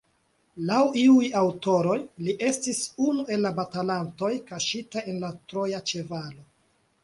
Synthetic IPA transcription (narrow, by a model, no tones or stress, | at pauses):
lawiujawto̞ɾo̞jliʔe̞stisunuʔe̞lːabatalanto̞jkaʃitae̞nlatɾo̞jat͡ʃe̞valo̞